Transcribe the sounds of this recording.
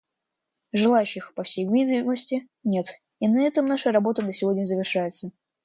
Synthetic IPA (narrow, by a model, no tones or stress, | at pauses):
ʐɨlˠajʉɕːɪxpɐfsʲejɡvʲid̪vɪməsʲtʲɪ | nʲe̞t̪ | inɐɛt̪əmnaʂərɐbo̞t̪əd̪əsʲɪvo̞dʲnʲəzəvʲɪrʂajɪt̪sə